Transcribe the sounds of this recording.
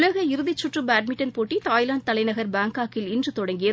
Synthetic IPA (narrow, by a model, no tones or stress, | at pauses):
lɐɣɐɪɾɯðɪt͡ʃːʊʈrɯbaːʈ̚mɪʈːɐnpoːʈːit̪aːjlaːɳɖt̪ɐlɐɪnɐɣɐɾbaːŋkaːkɪlɪndrɯt̪ɔɽɐŋɡɪjɐ